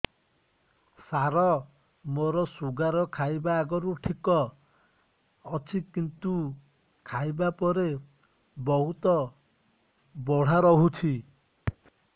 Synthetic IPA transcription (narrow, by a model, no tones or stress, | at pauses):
saɾɔ | moɾɔsuɡaɾɔkʰajbaːɡɔɾuʈʰikɔ | ɔt͡ʃʰikint̪u | kʰajbapɔɾe | bɔɦut̪ɔ | bɔɽ̤aɾɔɦut͡ʃʰi